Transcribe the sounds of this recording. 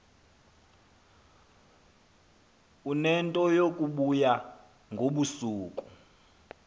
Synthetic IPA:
unɛntʼɔjokʼuɓuja | ŋɡʱoɓusuːkʼu

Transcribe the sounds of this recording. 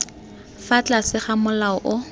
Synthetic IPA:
fat͡ɬʼasɪχamʊlaɔʔʊ

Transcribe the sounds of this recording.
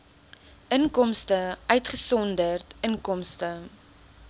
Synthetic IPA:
ʔəŋkɔmstəœɥtχəsɔndərtəŋkɔmstə

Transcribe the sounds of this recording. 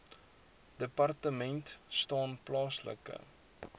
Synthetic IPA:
d̥əpɐrtəmɛntstɑːnplɑːslə̰kə̰

